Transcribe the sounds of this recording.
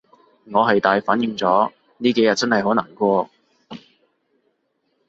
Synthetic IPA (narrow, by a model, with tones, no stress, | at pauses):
ŋɔː˨˧ɦɐ˨jt̪aː˨jfaː˨˥njɪ˨˧ŋt͡sɔː˨˥ | niː˥ke˨˥jɐ˨t̚t͡sɐ˥nhɐ˨jhɦo˨˥naː˨˩ŋkʷɔː˧